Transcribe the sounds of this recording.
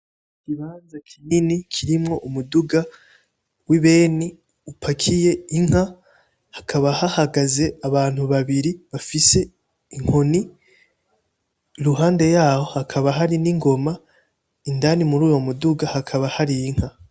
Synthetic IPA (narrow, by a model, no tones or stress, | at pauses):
kiβaːnzakʰininikʰiɾimŋo̞ʔumuduɡa | wiβe̞ːni | upʰakʰije̞iŋ̥ha | hakʰaβahahaɡaze̞aβaːn̥huβaβiɾiβafise̞ | iŋ̥ho̞ni | ɾuɦaːnde̞jaːho̞hakʰaβaɦaɾiniŋɡo̞ma | indanimuɾuːjo̞muduɡahakʰaβahaɾijiŋ̥ha